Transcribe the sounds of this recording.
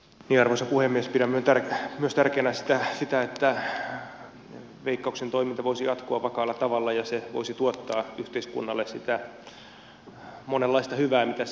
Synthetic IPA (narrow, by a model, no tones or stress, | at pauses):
niːɑrʋosɑpuhemːiespiɾæmmyønt̪ærkmyøst̪ærkeːnæsi̥t̪æsit̪æet̪ːæ | ʋeikːɑuksent̪oimint̪ɑʋoisijɑt̪koɑʋʋɑkɑːlːɑt̪ɑʋɑlːɑjɑseʋo̰isit̪uot̪ːɑːyht̪eiskṵnːɑlːessit̪æ | monelːɑist̪ɑhyʋæːmit̪æ